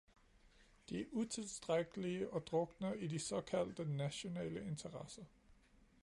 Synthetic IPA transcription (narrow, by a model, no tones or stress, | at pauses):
d̥iæɐʔut͡sʰe̝lsd̥ʁaɡ̥əliəʔɒ̽d̥ʁɔɡ̥ənəidisɒ̽kʰæl̰d̥ənæɕo̝nɛ̰ːləe̝nt͡sʰɐʁɑsɐ